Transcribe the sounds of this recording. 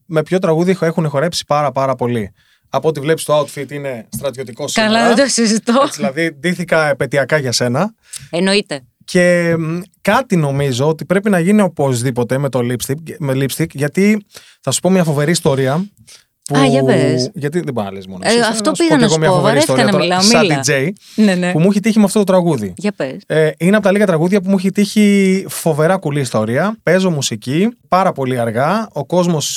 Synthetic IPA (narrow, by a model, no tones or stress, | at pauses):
me̞pço̞t̪̬ɾɐɣuðie̞xunexo̞ɾe̞psi̥pɐɾɐpɐɾɐpo̞li | ɐpoot̪ivle̞pi̥st̪oaut̪fit̪ine̞st̪ɾɐt̪jo̞t̪iko̞sɐlɐðet̪osizit̪oillɐðid̪iθikɐepe̞t̪iɐkɐʝɐse̞nɐ | enoit̪e | ce̞ | kɐt̪ino̞mizo̞ot̪ipɾe̞pinɐʝinio̞po̞zðipo̞t̪e̞me̞t̪o̞lipst̪ikmelipst̪ikʝɐt̪i | θɐsu̥po̞mɲɐfo̞ve̞ɾiːst̪o̞ɾiɐ | puɐʝɐt̪iðebo̞ɾinɐ̰lezmono̰ɐft̪ospiɣɐnɐsɣomɲɐoɾist̪oɾɐɐmilɐɐliejnenepumuçet̪içimeɐft̪ot̪ot̪ɾɐɣuðḭʝɐpeseineɐpot̪ɐliɣɐt̪ɾɐɣuðʝɐp̬umuçet̪içifo̞ve̞ɾɐkuliːst̪o̞ɾiɐpe̞zomusicipɐɾɐpo̞liɐɾɣɐo̞ko̞zmo̞s